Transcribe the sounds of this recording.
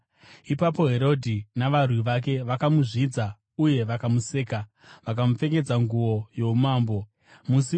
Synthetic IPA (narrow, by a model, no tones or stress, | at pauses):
ipapo̞ɦe̞ɾo̞dʱinaʋarwiʋak̬e̞ʋakamuʐid͡za | uje̞ʋakamuse̞ːka | ʋakamufe̞ke̞d͡zaŋɡuʋo̞jo̞umaːmbo̞ | musi